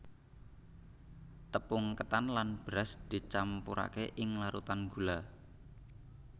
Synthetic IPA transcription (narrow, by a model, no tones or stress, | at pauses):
t̪əpʊŋkət̪anlanb̥ɾasd̪̥i̤t͡ʃampuɾʔa̰keʔɪŋlaɾut̪anɡ̥ṳla